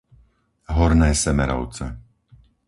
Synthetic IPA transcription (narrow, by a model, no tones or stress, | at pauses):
ɦɔɾnɛːsɛmɛɾɔ̰ʊt͡sɛ